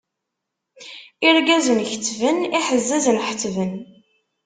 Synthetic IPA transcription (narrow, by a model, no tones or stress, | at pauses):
iɾɡæzənçə̥t͡sːvəniħəzːæzənħə̥t͡sːvən